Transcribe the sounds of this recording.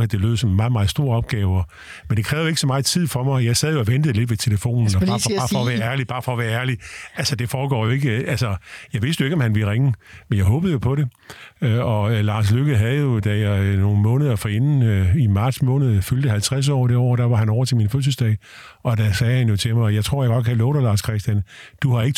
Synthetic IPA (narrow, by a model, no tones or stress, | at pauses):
æd̥e̝lø̰ːð̰ˠsɒ̽mmɑ̈ːð̩ˠmɑ̈ːð̩ˠsd̥o̝ːɐɒ̽b̥̚ɡ̥ɛːʊɒ | mend̥e̝kʰʁɛːʊjoe̝ɡ̥sɒ̽mɑ̈ːð̩ˠt͡sʰið̞̰ˠfɒ̽mɑ̈ɪjɑ̈ɪsɛðˠjo̝ɒ̽ʋend̥əð̞̩ˠle̝d̥ʋe̝t͡sʰe̝ləfo̝̰ːnn̩ɒ̥ɑ̈ːfɑːfɒʋæːɐæɐlib̥ɑ̈ːfɒ̽ːʋæːɐæɐliælsɒd̥e̝fɒːɡ̥ɒ̰ːjoe̝ɡ̥əælsɒjɑ̈ɪʋe̝sd̥joe̝ɡ̥ɒ̽mhænʋelʁeŋəmenjɑ̈ɪɦɔːb̥ð̩ˠjo̝pʰɒ̽ɾe̝ | ɒ̽lɑ̈ːs̬løɡ̥əɦæð̩ˠjo̝d̥æjɑ̈ɪno̝ːn̩mɔ̽ːnð̞ˠɐfɒ̽e̝nn̩imɑ̈ːd̥smɔ̽ːnəð̞̩ˠføld̥əhælt͡sʰʁas̬ɒ̰ːd̥eɒ̰ːd̥æʋɑ̈hænɒ̰ɐt͡sʰe̝minføs̬l̩sd̥ɛ̰ː | ɒ̽d̥æsɛːhænjo̝t͡sʰe̝mɑ̈ɪjɑ̈ɪt͡sʰʁo̝̰jäɡɒ̽d̥̚kʰælɔːɾɐlɑ̈ːskʰʁɛsd̥jænd̥uhɑ̈e̝ɡ̥ə